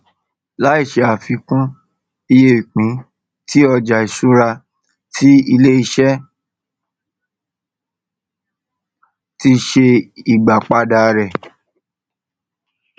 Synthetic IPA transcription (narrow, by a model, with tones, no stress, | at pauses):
la˨˦i˦˨ʃe˨˧a˨fi˧kũ˦ | i˧je˦˨i˨k͡pĩ˨˦ | ti˦ɔ˧d͡ʒa˨i˨ʃu˦ɾa˧ | tʰi˦i˧le˦i˧ʃɛ˦ | ti˧ʃe˧i˨ɡ͡ba˨k͡pa˧da˧ɾɛ˨